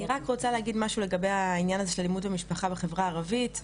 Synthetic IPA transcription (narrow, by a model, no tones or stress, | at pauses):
iʁakʁot͡salehaɡid̪maʃule̞ɡabejainjanazeʃelalimudamiʃpaχabeχe̞vʁaːʁavit